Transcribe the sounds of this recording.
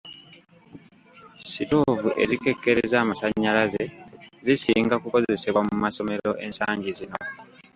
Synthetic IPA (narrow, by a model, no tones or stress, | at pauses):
sito̞vuʔe̞̰zike̞kːe̞ɾezaːmasaɲːalazezisiːŋɡakuko̞ze̞seβwamumaso̞me̞ɾo̞ʔe̞nsaːɲɟizino̞̰